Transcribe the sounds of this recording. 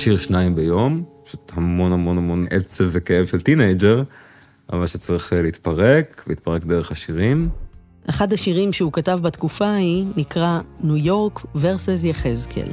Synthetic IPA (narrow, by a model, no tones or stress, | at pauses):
ʃiʁʃnaimbejo̞mpḁʃut̪hamo̞nhamo̞nhamo̞nʔet͡sevːekeevʃelt̪inejd͡ʒeʁ | ʔa̰valʃet͡sʁiχeleit̪paʁekveit̪̚paʁekd̪eʁeχhaʃiʁim | ʔeχadhaʃiʁimʃeukatavbat̪kufahinikʁanujo̞ʁkveʁsezjaχezkʰḛl